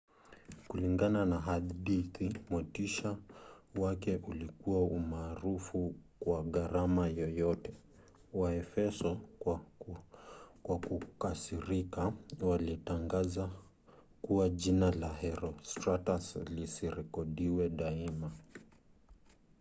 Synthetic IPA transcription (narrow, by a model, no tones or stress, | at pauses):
kuliŋɡananaɦaɗiθimɔtiʃawakɛʔulikuwaumaːɾufukwaɣaɾamajɔjɔtɛ | waɛfɛsɔ | kwakukasiɾikawalitaŋɡaza | kuwaʄinalahɛɾɔstɾataslisiɾɛkɔɗiwɛɗaima